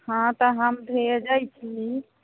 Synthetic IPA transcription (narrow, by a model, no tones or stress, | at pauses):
hãt̪ɔɦəmd̪ʱejəd͡ʒajt͡ʃʰi